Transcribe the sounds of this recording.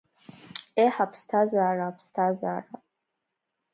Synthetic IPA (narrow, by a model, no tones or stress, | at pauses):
eħapʰstʰazaːrapʰstʰazaːra